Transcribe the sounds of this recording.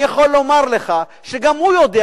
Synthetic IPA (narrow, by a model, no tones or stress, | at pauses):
jaχolːo̞maʁleχa | ʃeɡamhujod̪e